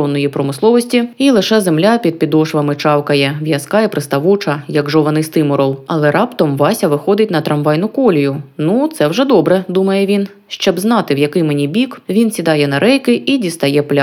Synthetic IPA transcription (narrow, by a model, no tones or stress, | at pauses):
ɔnːɔjipɾɔmɪslˠɔʋɔsʲtʲiilˠɪʃɛzemlʲapʲid̪̚pʲid̪ɔʃʋɐmɪt͡ʃɑwkɐjɛʋjɐskɑjɛpɾɪst̪ɐʋut͡ʃɐjɐɡʒɔʋɐnɪst̪ɪmɔɾɔlˠɐlˠɛɾʔɑpt̪ɔmʋɑsʲɐʋɪxɔd̪ɪtʲnɐt̪ɾɐmʋɑjnʊkɔlʲijʊnut̪sɛwʐɛd̪ɔbɾɛd̪umɐjɛʋʲin | ʃt͡ʃɔbznɑt̪ɪwjɐkɪjmenʲibʲikʋʲinsʲid̪ɑjɛnɐɾʔɛjkɪʔidʲist̪ɐjɛplʲa